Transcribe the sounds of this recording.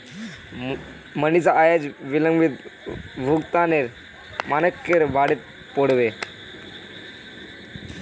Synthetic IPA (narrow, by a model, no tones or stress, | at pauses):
mənit͡saajad͡ʑʋiləŋɡʋit̪bʱukt̪aneɾ | manəkːeɾʋaɽet̪̚ | poɽʋe